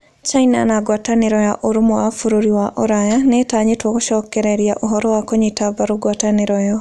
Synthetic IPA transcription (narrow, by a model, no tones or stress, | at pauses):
t͡ʃaina̰naɡwataneɾɔjaʔoɾomowafuɾoɾiwaʔoɾajanetaːɲetwɔkoʃɔkɛɾeɾiaʔoɦɔɾɔwakoɲetabaɾoɡwataneɾɔjɔ